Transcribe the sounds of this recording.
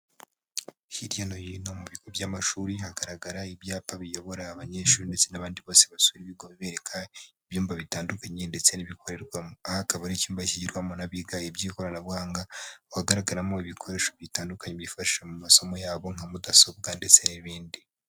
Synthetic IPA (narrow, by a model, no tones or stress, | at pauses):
hiɾjanojino̞muβiɡobjaːmaʃuːɾiɦaɡaɾaɡaɾaibjaːpaβijo̞βo̞ɾaːβaɲe̞ʃuːɾinde̞t͡se̞naβaːndiβo̞ːse̞βasuiɾiβiɡoβiβe̞ːɾe̞kʰaiβjuːmvaβitaːndukaɲende̞t͡se̞niβikʰo̞ɾe̞ɾɡwamoakaβanicuːmbaciɟiɾɡwamonaβiɡaibjiːko̞ɾanaβɡaːŋɡawhaɡaɾaɡaɾamo̞iβikʰo̞ɾe̞ːʃo̞βitaːndukaɲeβifaʃi̥ʃamumaso̞mo̞jaːβo̞ŋ̥amudaso̞b̚ɡande̞t͡se̞niβiːndi